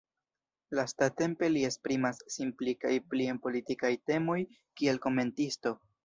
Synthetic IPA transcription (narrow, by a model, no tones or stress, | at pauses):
lastate̞mpe̞lie̞spɾimasːimplikajplie̞npo̞litikajte̞mo̞j | kie̞lko̞me̞ntisto̞